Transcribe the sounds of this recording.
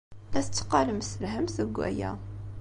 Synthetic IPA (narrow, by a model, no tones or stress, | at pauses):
æθt͡sːə̥qːɑləmsəlɦəmθəɡʷːæ̰jæ̰